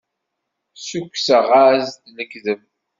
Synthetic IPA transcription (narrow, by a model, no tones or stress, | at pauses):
sukʷːsəʁazd̪nəɡðəm